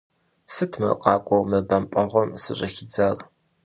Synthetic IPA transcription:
sɨtʰmɐ̰qʼɑːkʷʼɔwmɐbɐmpʼɐʁʷɔmsɨɕʼɐxid͡zar

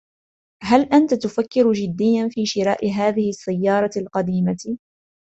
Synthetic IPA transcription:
ɦalʔant̪at̪ʊfakːɪɾd͡ʒɪd̪ːɪjːanfiːʃɪɾaːʔɪɦaːðɪhɪsːajːɑːɾˤɑlqɑd̪iːma

